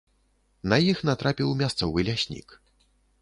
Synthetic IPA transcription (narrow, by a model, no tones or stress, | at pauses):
nɐjixnat̪ɾapʲiwmʲast̪sɔvɨlʲasʲnʲḭk